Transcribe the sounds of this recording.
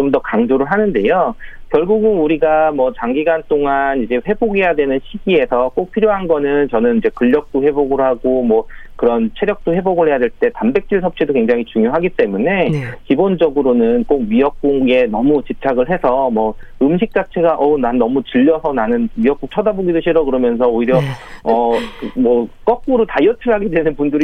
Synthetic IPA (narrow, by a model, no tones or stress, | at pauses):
t͡ɕomdʌkaŋd͡ʑoɾɯɭɦanɯnde̞jokjʌɭɡuɡɯnuɾiɡamʌt͡ɕaŋɡiɡant͈oŋanid͡ʑe̞ɸwe̞boɡejadwe̞nɯnɕʰiɡie̞sʰʌk͈ok̚pʰiɾjoɦanɡʌnɯnt͡ɕʌnɯnid͡ʑe̞kɯʎːʌk̚t͈oɸe̞boɡɯɾɦaɡomwʌkɯɾʌnt͡ɕʰe̞ɾjʌk̚t͈oɸe̞boɡɯɭɦe̞jadwe̞ɭt͈e̞tambe̞k̚t͡ɕ͈iɭsʰʌp̚t͡ɕʰidokweŋd͡ʑaŋit͡ɕuŋjoɦaɡit͈e̞mune̞kibond͡ʑʌɡɯɾonɯnk͈ok̚ɥiʌk̚k͈unɡe̞nʌmut͡ɕip̚t͡ɕʰaɡɯɭɦe̞sʰʌmʌɯmɕ̬ʰik̚t͡ɕ͈at͡ɕʰe̞ɡaʔʌnanːʌmut͡ɕɯʎːʌsʰʌnanɯnɥiʌk͈ukt͡ɕʰʌdaboɡidoɕʰiɾʌkɯɾʌmjʌns̬ʰʌoiɾjʌʌɯmʌk͈ʌk͈uɾotajʌtʰɯɭɦaɡe̞dwe̞nɯnpundɯɾi